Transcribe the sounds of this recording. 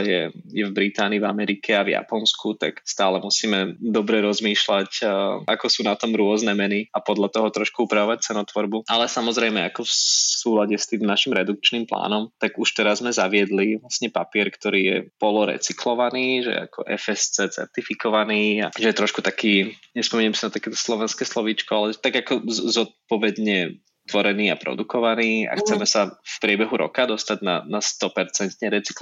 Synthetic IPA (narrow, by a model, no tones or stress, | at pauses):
jɛ̰jɛvbɾit̪aːniːvamɛɾikʰɛavja̰pɔnskut̪a̰kst̪aːlɛmusiːmɛd̪ɔbɾɛɾɔzmiːʃlacakɔsuːnat̪ɔmɾʊɔznɛmɛniapɔd̪lʎat̪ɔɦɔt̪ɾɔʃkuupɾaʋɔʋac̚t͡sɛnɔt̪ʋɔɾbuʔalɛsamɔzɾɛɪmɛakɔfsuːlaɟɛst̪iːmnaʃimɾɛd̪uk̚t͡ʃnimpla̰ːnɔmt̪aɡuʃt̪ɛɾazmɛzaʋɪɛd̪liʋlasɲɛpapɪɛɾkt̪ɔɾiːjɛpɔlɔɾɛ̰t͡sikʰlɔʋaniːʒɛ̰jɛ̰a̰kɔ̰ʔɛ̰fɛst͡sɛt͡sɛ̰ɾt̪ifikɔʋaniːa̰ʒɛjɛt̪ɾɔʃkut̪akiːɲɛspɔmiɲɛmsinat̪akɛːt̪ɔ̥slɔʋɛnskɛːslɔʋiːt͡ʃkɔalɛt̪aɡakɔzɔt̪̚pɔʋɛd̪ɲɛ | t̪ʋɔɾɛniːapɾɔ̰d̪ukɔʋaniːa̰xt͡sɛmɛsafpɾɪɛbɛɦuɾɔ̰kad̪ɔst̪aɟna̰nast̪ɔpɛɾt͡sɛnt̪ɲɛɾɛt͡si̥kl